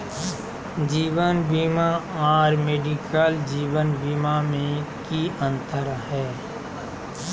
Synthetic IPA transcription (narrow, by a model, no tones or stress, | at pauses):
d͡ʒiːʋənbiːmaaːɾmeːɖikəld͡ʒiːwənbiːmamẽkiə̃nt̪əɾɦɛː